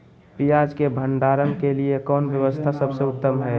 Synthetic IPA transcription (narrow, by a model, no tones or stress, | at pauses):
pijad͡ʒkebʱənɖaɾənkeliekɔːnʋjəʋəst̪ʰasəbseʊt̪ːəmɦɛ